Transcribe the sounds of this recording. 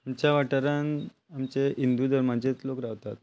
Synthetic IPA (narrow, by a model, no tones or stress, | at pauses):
amt͡ɕjaʋaʈəɾan | amt͡ɕeʔind̪ud̪əɾmat͡ɕet͡slokɾaʋt̪at̪̚